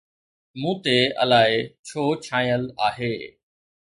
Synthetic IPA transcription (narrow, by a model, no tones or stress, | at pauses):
mũːt̪eə̰laːɦet͡ɕʰoːt͡ɕʰãːĩəlaːɦeː